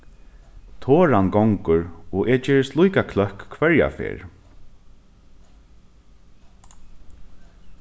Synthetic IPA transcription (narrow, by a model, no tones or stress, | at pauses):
t̪ʰoːɹanɡɔŋkʊɹɔʔɛt͡ʃeːɹɪst̪lujkakʰlœhkkʰvɛɹja̰fḛːɹ